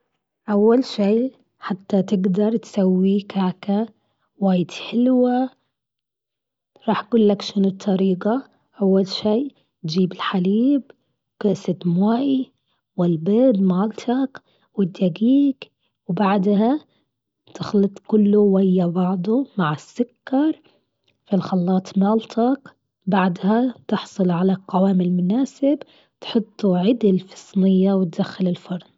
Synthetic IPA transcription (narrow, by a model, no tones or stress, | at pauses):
ʔawːalʃiː | ħat̪ːat̪ɪɡd̪ɑɾˤt̪sawːikaːka | waːjɪd̪ħɪlwa | ɾˤɑːħɡuːlːakʃɪnut̪ʰːɑɾiːɡa | ʔawːalʃiː | t̪d͡ʒiːbɪlħaliːb | kɪʔsɪt̪mwaːʔi | wɪlbeːd̪maːlt̪ʰak | wɪd̪ːaɡiːk | wbaʕd̪ha | t̪ʰɪxlɨt̪ˤkʊlːʊwajːabɑʕd̪ˤʊmaʕɪsːʊkːɑɾˤ | filxɑlːɑːt̪ˤmɑːlt̪ʰɑk | baʕd̪hat̪ɪħsˤɨlʕalaqawaːmɪlmʊnaːsɪb | t̪ħʊt̪ˤːuʕɪd̪ɪlfɨ̥sˤnɪjːawɪt̪̚d̪axːɪlɪlfɑɾˤn